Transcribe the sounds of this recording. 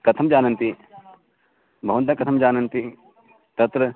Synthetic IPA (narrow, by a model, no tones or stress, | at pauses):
kɐt̪ʰɐmd͡ʒaːnɐ̃nt̪i | bʱɐʋɐ̃nt̪ɐkɐt̪ʰɐmd͡ʒaːnɐnt̪i | t̪ɐt̪ɾə